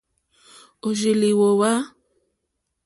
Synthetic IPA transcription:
o˨ʒi˨li˨wo˨wa˦

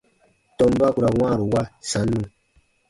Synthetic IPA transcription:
tɔ̃˧mba˦ku˨ɾa˨wãː˦˨ɾu˨wa˦sã˨˦nːũ˨

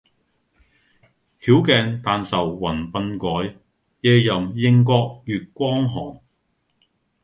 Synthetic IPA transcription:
hiː˨˥wkɛː˨˧ŋt̪aː˨nsɐ˨˩wwɐ˨˩npɐ˧nkɔː˨˥j | jɛː˧jɐ˨mjɪ˧ŋkɔː˧k̚jyː˨t̚kʷɔː˥ŋɦɔː˨˩ŋ

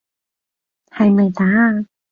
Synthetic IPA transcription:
hɐ˨˧jmɐ˨jt̪aː˨˥

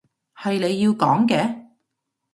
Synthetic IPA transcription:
hɐ˨jle˨˧jːi˧wkɔː˨˥ŋkɛː˧

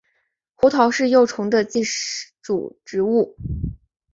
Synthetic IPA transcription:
xu˧˥t̪ʰɑ˧˥ʊʂɻ̩˥˧jo˥˩ʊʈ͡ʂʰʊ˧˥ŋd̪ə˧t͡ɕi˥˧ʈ͡ʂṵ˨˩ʈ͡ʂɻ̩˧˥u˥˩

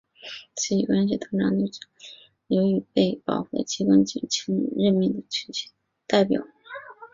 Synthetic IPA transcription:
t͡ɕʰi˥˩i˨˩kwa˥nɕ̬i˧˥˩t̪ʰɤ˥ŋʈ͡ʂɑ˧˥ŋni˥˩ʈ͡ʂ̩˨˩ | jo˧˥y˨˩pe˥˩ɪpɑ̰˨˩ʊxwe˥˩ɪt͡ɕʰi˧˥kə˥nt͡ɕḭ˧˨˩t͡ɕʰi˧˥ŋ̰˧˥ɻə˥˧nmi˥˩ŋd̪ə˩t͡ɕʰy˥t͡ɕ | t̪a˥˩ɪpjɑ̰˨˩˦ʊ

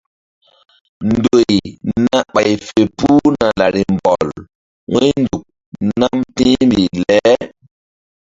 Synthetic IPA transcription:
ndo˨jna˦ɓa˨jfe˨pu˦na˨la˨ɾi˨mbɔ˨l | wʔo˦jndu˨k̚ | na˦mtĩː˦mbi˨lɛ˦

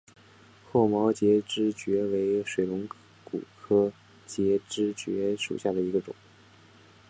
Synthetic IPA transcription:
xʰwɔ˥˩mɑ˧˥ʊt͡ɕjɛ˧˥ʈ͡ʂɻ̩˥t͡ɕɥɛ˧˥we˧˥ɪʂwe˨˩ɪlʊ˧˥ŋ | kṵ˨˩kʰɤ˥ | t͡ɕjɛ˧˥ʈ͡ʂɻ̩˥t͡ɕɥɛ̰˧˥ʂṵ˨˩ɕja˥˩d̪ə˩i˧˥ɡə˧ʈ͡ʂʊ̰˨˩˦ŋ

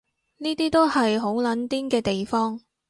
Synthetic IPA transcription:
niː˥t̪iː˥t̪o˥whɐ˨jɦo˨˥wlɐ˨˥nt̪iː˥nkɛː˧t̪e˨jfɔː˥ŋ

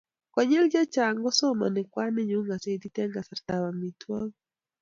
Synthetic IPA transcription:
kɔ˨ɲɛ˦ld͡ʒa˦t͡ʃaŋɡɔ˦sɔ˦ma̰˨nɪ˨kwa˦nɪ˦ɲu˦ŋɡa˨sɛ˦d̪i˦t̪ɛ˦ŋɡa˨sa˨rt̪awa˨mitʰwɔ˦ŋ

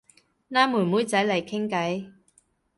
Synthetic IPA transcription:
naː˥muː˨˩muː˨˥jt͡sɐ˨˥jlɐ˨˩jkʰɪ˥ŋkɐ˨˥j

